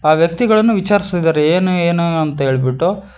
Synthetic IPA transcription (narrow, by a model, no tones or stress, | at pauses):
aːʋjɐk̚t̪iɡɐɭɐnːuʋit͡ʃaːɾist̪id̪aːɾeeːnueːnuɐnt̪ɐɦe̞ːɭibiʈːu